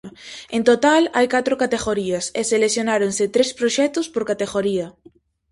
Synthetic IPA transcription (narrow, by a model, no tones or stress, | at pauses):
ẽnt̪ot̪alajkat̪ɾʊkat̪eɣoɾiɐseseleθjonaɾonsɪt̪ɾespɾoʃɛt̪ʊspoɾkat̪eɣoɾiɐ